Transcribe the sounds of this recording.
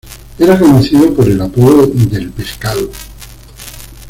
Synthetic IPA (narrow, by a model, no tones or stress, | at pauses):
eɾakonoθiðopo̞ɾe̞lapoðoðe̞lpe̞skaðo